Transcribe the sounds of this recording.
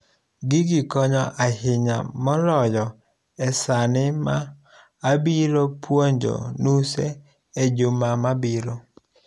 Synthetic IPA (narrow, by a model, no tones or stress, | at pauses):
ɡɪɡɪkɔɲɔʔahɪɲa̰mɔlɔjɔ | ɛsanɪmaː | biɾopwoɲd͡ʒo̰nusɛ | ed͡ʒʊmamabiɾo